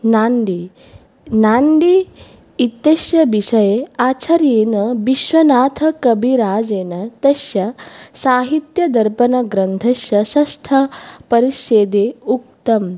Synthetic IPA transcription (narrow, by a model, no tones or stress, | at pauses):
naːɳɖi | naːɳɖiː | t̪ːeʃjɐbiʃɐjeaːt͡ʃʰɐɾjeːnɐbiʃʋɐnaːt̪ʰɐkɐbʱiɾaːd͡zeːnɐt̪ɐsjɐsaːɦit̪jɐd̪ɐɾpɐnɐɡɾɐnt̪ʰɐʃjɐsɐst̪ʰɐpɐɾiʃeːd̪eːuk̚t̪ɐm